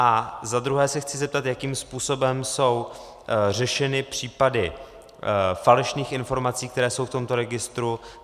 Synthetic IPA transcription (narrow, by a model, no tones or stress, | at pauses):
ʔazad̪ɾuɦɛːsɛxt͡sɪzɛp̚t̪at̪jakiːmspuːso̞bɛmso̞w | r̝ɛʃɛnɪpr̝̥iːpadɪ | falɛʃniːxɪnfo̞ɾmat͡siːkt̪ɛɾɛːso̞wft̪o̞mt̪o̞ɾɛɡɪst̪ɾu